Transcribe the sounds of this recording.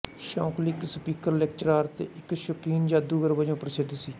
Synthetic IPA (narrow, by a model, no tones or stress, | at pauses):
ʃɔ̃ːklɪksəpiːkəɾlɛk̚t͡ʃəɾaːɾt̪ḛːʔɪkʃəkiːnd͡ʒaːd̪uːɡəɾbəd͡ʒõːpɾseːd̪siː